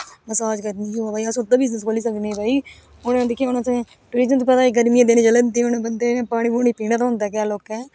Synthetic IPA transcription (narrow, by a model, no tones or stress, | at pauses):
məsaːd͡ʒkəɾniːkoːaːbaːiasʊɾt̪aːbɪznəskoːliːsəkneːbaːi | ʊñːd̪eːkʰijaːnsẽː | ʈuɽiːd͡ʒənt̪uːpɛt̪aːeɡəɾmijãd̪eːnẽːd͡ʒələnd̪eʊñːbənd̪eːpaːɽ̃ĩːboːñiːpiːnãːt̪aɦʊ̃nd̪aɛːk̬aːloːkɛː